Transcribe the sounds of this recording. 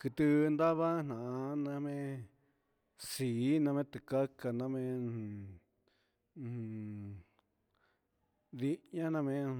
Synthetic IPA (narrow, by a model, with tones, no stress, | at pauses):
kɨ˧t̪ɨ˧nd̪a˦βa˦n̥ã˨a˧nã˧˦mẽ˦ | si˨˦nã˧mẽ˦t̪ɨ˧˨ka˦ka˧nã˧mẽ˧˨˧ | ði˧˦ɲã˦nã˧mẽ˧